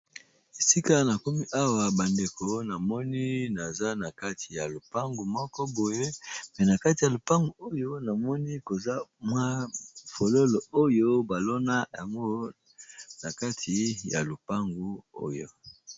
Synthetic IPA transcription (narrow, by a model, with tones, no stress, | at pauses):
e˨si˦ka˦na˨ko˦mi˦ʔa˦wa˨ba˨nde˨ko˨na˨mɔ˦ni˦na˨za˦na˨ka˦tʰi̥˨ja˨lo˨pa˦ŋɡu˨mɔ˦kɔ˦bo˨je˦mɛ˨na˨ka˦ti˨ja˨lo˨pa˦ŋɡu˨o˦jo˦na˨mɔ˦ni˦ko˨za˦mwa˦fo˨lo˦lo˨o˦jo˦ba˨lo˦na˦ja̰˨ŋɡo˦ | na˨ka˦tʰi˨ja˨lo˨pa˦ŋɡu˦o̰˦jo̰˨